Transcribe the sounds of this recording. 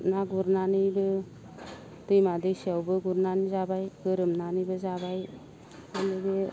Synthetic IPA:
naɡuɾnanɯjbɯ | dɯjmadɯjsiawbɯɡuɾnanizabajɡɯɾɯmnanɯbɯzabaj | anɯbe

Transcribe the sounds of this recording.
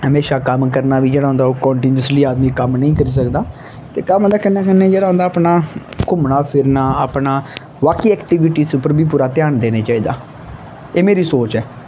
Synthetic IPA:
həmeːʃaːkəmkəɾnaːʋiːd͡ʒeːɽaːɦʊ̃nd̪aːoːkɔːɳʈiːnjəsliːaːd̪miːkəmnəĩːkəɾiːsəkd̪aː | t̪eːkəmɦõnd̪aːkənaːkənẽːd͡ʒeːɽaːɦõnd̪aːpnaːkʊmnaːpʰɪɾnaːəpnaː | ʋaːkiːɛːkʈiʋɪʈiːsʊpːəɾbiːp̬uːɾaːt̪ɪjaːnd̪eːneːt͡ʃaːiːd̪a̰ː | eːmeːɾiːsoːt͡ʃɛː

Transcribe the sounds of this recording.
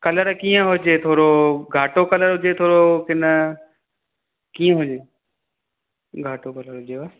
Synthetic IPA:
kɐləɾkiːə̃ɦʊd͡ʑeːt̪ʰoːɾoɡʱaːʈokɐləɾɦʊd͡ʑet̪ʰoːɾokɪnə | kiːə̃ɦʊd͡ʑeː | ɡʱaːʈokɐləɾɦʊd͡ʑeba

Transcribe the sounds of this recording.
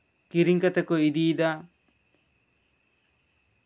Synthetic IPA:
kiɾiŋkat̪ɛkɔid̪id̪a

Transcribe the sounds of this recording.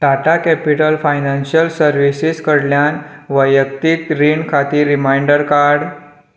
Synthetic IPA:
ʈaʈakɛpiʈəlfajnãnɕjəlsəɾʋisiskəɽljanʋəjək̚t̪it̪ɾiɳɖkʰat̪iːɾːimajɳɖəɾkaɾɽ

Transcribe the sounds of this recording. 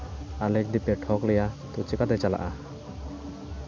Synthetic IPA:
alɛk̚d̪ipɛʈʰɔklɛjat̪ut͡ʃɛkat̪ɛt͡ʃala̰ʔa

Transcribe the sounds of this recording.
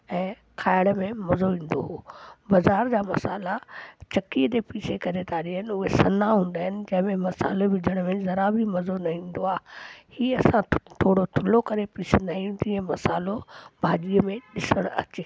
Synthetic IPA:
ɛ̃ː | kʰaːɪɽ̃mẽmɐzoʋĩːn̆d̪o̰ɦoːbɐzaːɾd͡ʑaːmɐsaːlat͡ɕɐkid̪epiːsekɐɾet̪aːɾiɦənɪʊɦesɐnaɦũːnd̪aːɦɪnɪ̆d͡ʑɐ̃ɦɪ̃mẽmɐsa̰ːloʋɪd͡ʑʱəɽ̃mẽzɐɾabʱimɐzonɐĩːn̆d̪oaːɦhiːɐsãt̪ʰoːɽot̪ʰʊlokɐɾepiːsenaĩːnd̪iɛ̃mɐsaːlobʱaːɗiəmẽɗɪsəɽ̃ɐ̰t͡ɕɪ

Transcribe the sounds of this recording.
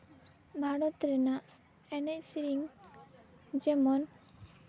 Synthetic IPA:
bʱaɽɔt̪ɾɛna | ɛnɛcsiɾiŋ | d͡ʒɛmɔn

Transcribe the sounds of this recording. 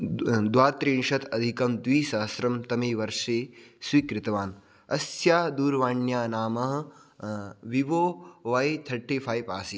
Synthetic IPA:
d̪ʋaːt̪ɾiːɳʃɐt̪ʰɐd̪ʱikɐmd̪ʋiːsaːsɾɐmt̪ɐmeːʋɐɾʂeːswiːkɾɪt̪ɐʋaːn | ɐsjaːd̪uːɾʋaːɳjaːnaːmɐɦɐ̆ | ʋiʋoːʋajt̪ʰɐʈʰːifʰaːjpa̰ːsi

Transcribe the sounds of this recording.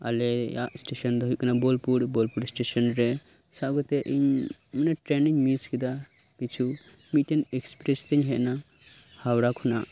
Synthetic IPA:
a̰leja̰sʈeʃɐnd̪ɔɦujkinabolpuɽbolpuɾsʈesɐnɾe | saɡɔt̪eʔiɲməneʈɾeniɲmiskid̪a | bit͡ʃʰumiʈinekspɾest̪eɲɦeʔnahawɾakʰuna

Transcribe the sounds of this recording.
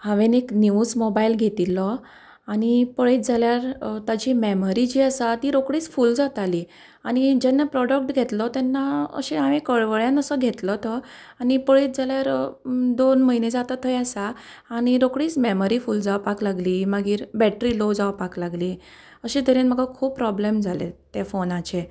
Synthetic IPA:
hãʋeneknjiusmobailɡʱet̪ilɔ | aɽ̃ipəɭet̪̚d͡zaljaɾt̪ad͡ʑimɛməɾid͡ʑiːasat̪iːɾokɽiːt͡sfuld͡zat̪ali | aɽ̃id͡ʑɛnːapɾɔɖək̚ʈɡʱet̪lɔt̪ɛnːaə̰ɕeaʋẽkəɭʋəɭjãnəsəɡʱet̪lɔt̪ʰɔañipəɭet̪̚d͡zaljaɾd̪onməɦined͡zat̪at̪ʰɔjasaː | ɽ̃iɾokɽiːt͡smeməɾifuːld͡zaʋpaklaɡliːməɡiːɾbɛʈɾilod͡zaʋpaklaɡliː | əɕẽd̪əɾenm̤əɡakʰuːbpːɾɔblemd͡zʱalḛt̪efonat͡ɕe

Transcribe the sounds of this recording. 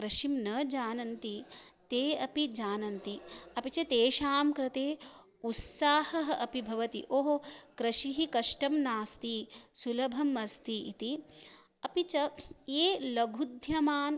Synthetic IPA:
kɾɐʃimnɐd͡ʒaːnɐnt̪it̪eːɐpid͡ʒaːnɐnt̪iɐpit͡ʃɐt̪eːʃaːmkɾɐt̪eː | ut̪saːhɐɦɐɐpibʱɐʋɐt̪ḭʔoːɦokɾɐʃiɦikɐʂʈɐmnaːst̪isulɐbʱɐmɐst̪iit̪i | ɐpit͡ʃɐeːlɐɡʱud̪ʱjɐmaːn

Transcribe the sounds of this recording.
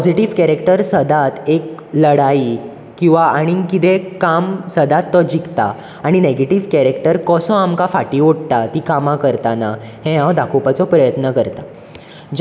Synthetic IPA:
ppɔd͡ʑiʈiʋkɛɾekʈəɾsəd̪ʱat̪ekləɽai | kĩw̃ʋaʔaɽ̃ikit̪ẽkamsəd̪ʱat̪ːɔd͡ʑikt̪a̰ | aɽ̃ineɡeʈiʋkɛɾekʈəɾkɔsɔ̃amkafaʈiːoɽt̪at̪ikamãkəɾt̪anahɛ̃ɦãwd̪akʰopat͡sɔpɾəjət̪nəkəɾt̪a | d͡ʑ

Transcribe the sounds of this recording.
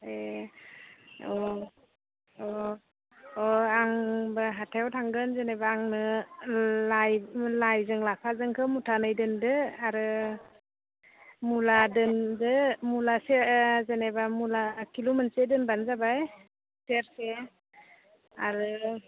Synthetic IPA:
e | ɔ | ɔ | ɔaŋbaɦatʰajwtʰaŋɡɯnzenabaːŋnɯ | lajlajzɯŋlapʰazɯŋkʰɯmutʰanajdɯndɯaɾɯ | muladɯndɯmulasezenebamulakʰilumɯnsedɯnbanzabaj | seɾse | aɾɯ

